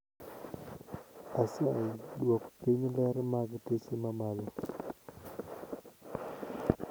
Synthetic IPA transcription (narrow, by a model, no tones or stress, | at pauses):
asaidaku̥piɲlɛɾmaɡtesemamalɔ